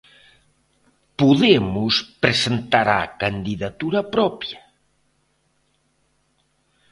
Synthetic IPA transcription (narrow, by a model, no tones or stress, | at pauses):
puðemuspɾesent̪aɾakand̪iðat̪uɾɐpɾɔpja